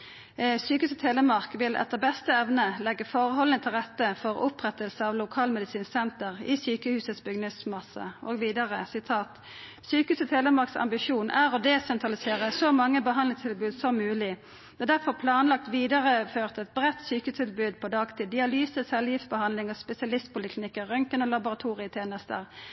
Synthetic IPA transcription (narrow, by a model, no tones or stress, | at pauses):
syːkəhʉːsət̪ʰeːləmɑʁkʋɪlʔɛ̰t̪ːəʁbɛst̪əɛʋnəlɛɡːəfɔʁəhɔlənət̪ʰɪlʁɛt̪ːəfɔʁʊpʁɛt̪əlsəɑʋlʊkʰɑːlmɛd̪ɪsiːnsɛnt̪əʁḭsyːkəhʉːsət̪sbʏɡnəsmɑsə̰ʔo̰ːɡʋiːd̪ɑʁəsɪt̪ʰɑːt̪ | syːkəhʉːsət̪ʰeːləmɑʁksɑ̰mbɪʃuːnʔæɾɔd̪eːsɛnt̪ʁɑlɪseːʁəsɔmɑŋːəbəhɑnlɪŋst̪ʰɪlbʉːd̪sɔmːʉːlɪ | d̪̥ɛːd̪æʁfɔʁpʰlɑːnlɑk̚t̪ʋiːd̪ɑʁəføːʁt̪ɛt̪̚bʁɛt̪ːsyːkʉːst̪ʰɪlbʉːd̪̚pʰɔd̪ɑːɡt̪ʰid̪ɪɑlyːsəsɛljɪftsbəhɑnlɪŋɔspɛsɪɑlɪst̪̚pʊlɪkʰlɪnɪkːəʁœŋkənoːlɑbʊʁɑt̪ʰuːʁɪət̪ʰjeːnəst̪ə̰ʁ